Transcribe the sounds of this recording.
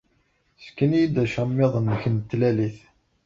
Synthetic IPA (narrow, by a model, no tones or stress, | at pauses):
skːənjid̪æʃəmːeðˤənːəçənt̪ːlæliθ